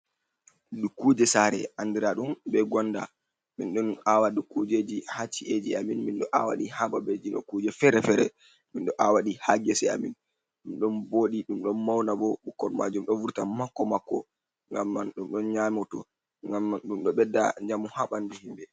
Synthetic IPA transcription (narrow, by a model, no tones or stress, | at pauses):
ɗukud͡ʒɛsaɾɛ̰ʔandiɾaɗumbɛɡɔnda̰ | minɗɔnawadukud͡ʒed͡ʒihat͡ʃːiʔed͡ʒiaminminɗɔʔawa̰ɗihaɓabɛd͡ʒinɔkud͡ʒɛfɛɾɛfɛɾɛ̰ | minɗɔʔawaɗihaɡɛsɛa̰mḭn | ɗumɗɔnboɗiɗumɗɔnmawnabɔɓukːɔɾma̰d͡ʒumɗɔnvuɾtamakːɔmakːɔ | ŋɡamːanɗumɗɔnɲamɔtɔ̰ | ŋɡamːɗumɗɔɓɛdːa̰ɲd͡ʒamuhaɓandɛhimbɛ